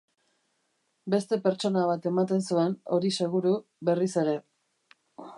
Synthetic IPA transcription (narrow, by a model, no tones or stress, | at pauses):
be̞st̪e̞pe̞ɾt͡ʃo̞naβ̞at̪e̞mat̪e̞nsue̞no̞̰ɾise̞ɣuɾu | βe̞rise̞ɾe̞